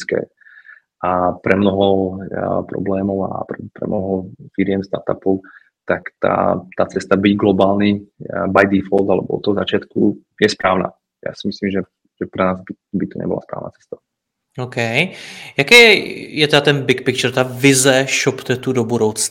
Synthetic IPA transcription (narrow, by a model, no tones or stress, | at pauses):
kɛ̰ː | ʔapɾɛmnɔɦɔ | pɾɔ̰blɛːmɔʊa̰pɾɛpɾɛ̰mnɔɦɔfiɾɪɛmst̪a̰ɾt̪a̰pɔʊ | t̪akt̪a̰ːt̪aːt͡sɛst̪abiɟɡlɔbaːlnibajd̪ifɔld̪alɛbɔɔ̰t̪ːɔɔzat͡ʃɪat̪ku | jɛspɾaːʊna̰ː | ja̰ːsimisliːmʒɛ | ʒ̥ɛpɾɛnaːzbi | bit̪ɔɲɛ̰bɔla̰spɾa̰ːʊnaːt͡sɛ̥st̪ḁ | okɛjjakɛɛjɛt̪ɛdat̪ɛnbɪkpɪkt͡ʃɛɾt̪avɪzɛʃɔpt̪ɛt̪udobudowt͡s